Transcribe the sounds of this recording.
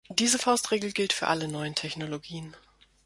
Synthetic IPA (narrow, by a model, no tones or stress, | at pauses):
d̥iːzəfaʊstʁ̥eːɡl̩ɡɪltfyːɐʔalənɔʏəntʰɛçnoloɡiːən